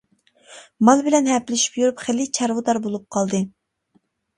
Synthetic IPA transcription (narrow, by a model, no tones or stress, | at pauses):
mɑlˠbɪlɛnhɛplɪʃi̥pjyɾupχɪlːɪt͡ʃʰɑɾwʊd̪ɑɾbolˠup̚qʰɑlˠd̪ɨ